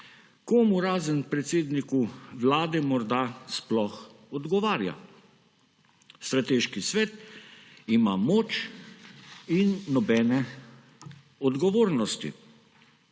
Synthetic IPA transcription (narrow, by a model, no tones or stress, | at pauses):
komuɾaːzənpɾɛt̪seːd̪nikuʋlaːd̪ɛmɔɾd̪asplɔx | ɔd̪ɡɔʋaːɾja̰ | st̪ɾat̪eʃkisʋɛːt̪ | ima̰moːt͡ʃ | inːɔbɛːnɛ | ɔd̪ɡɔʋoːɾnɔst̪ḭ